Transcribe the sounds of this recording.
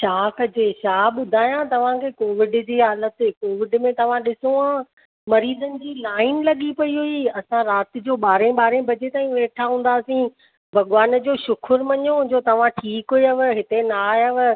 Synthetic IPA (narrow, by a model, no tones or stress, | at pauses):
ʃaːkəd͡ʑeʃaːɓʊd̪ʱaːjãt̪ɐʋ̤ãkʰeːkoːʋɪɖd͡ʑiːɦaːlət̪koːʋɪɖmẽt̪ɐʋ̤ãɗɪsoãː | mɐɾiːd̪ənɪ̆d͡ʑiːlaːɪnlɐɠipɐiɦʊiɐsãɾaːt̪ɪ̆d͡ʑoːɓaːɾẽɓaːɾẽbʱɐd͡ʑet̪aːĩũʋeːʈʰaɦũːn̆d̪aːsĩ | bʱɐɠʋaːnəd͡ʑoːʃʊkʰʊɾmɐɲoʊ̃d͡ʑoːt̪ɐʋ̤ãʈʰiːkɦʊeɐʋɦɪt̪enaɐʋ̆